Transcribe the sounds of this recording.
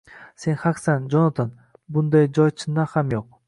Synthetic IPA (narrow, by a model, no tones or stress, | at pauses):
senχɑksɑnd͡ʒonat̪ʰan | bund̪ɑjd͡ʒojt͡ʃʰɯnd̪ɑχɑmjoq̚